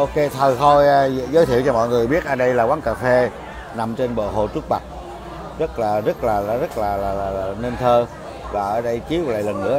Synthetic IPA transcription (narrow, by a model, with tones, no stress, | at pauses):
ʔo˧ke˧t̪ʰə˨˩t̪ʰo˧jzəː˨˦jt̪ʰi˧˨əwt͡ɕɔ˧mɔ̰˧˨jŋɨ˨˩əjɓi˦˥ət̚ʔaː˧˩ɗə˧jlaː˨˩kwaː˨˦ŋkaː˧˩fe˧ | na˨˩mt͡ɕe˧nɓo̰˧˨ɦo̰˨˩t͡ɕu˦˥k̚ɓa˨˩t̚ | zə˦˥t̚laː˨˩zə˦˥t̚laː˨˩˨zə˦˥t̚laː˨˩laː˨˩laː˨˩lːne˧nt̪ʰəː˧ | vaː˨˩ʔəː˧˩ɗə˧jt͡ɕi˨˦wla̰˧˨lə˨˩nːɨ̰˧˥ə